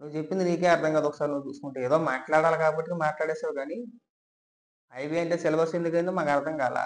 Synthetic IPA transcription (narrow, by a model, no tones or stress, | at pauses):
nuːut͡ʃepːind̪iniːk̬eːɐɾd̪ʰʱɐŋɡɐd̪ɔkːɐ̥saːɾinuːt͡ʃuːsu̥kuɳʈeeːd̪oːmaːʈɭaːɽaːlkaːbɐʈːikemaːʈlaːɽɛːsaːɾukaːni | ɐjbiɐɳʈeːsɛlɐbɐsend̪ukɐjnd̪imaːkɐɾd̪ʰʱɐŋkaːla̰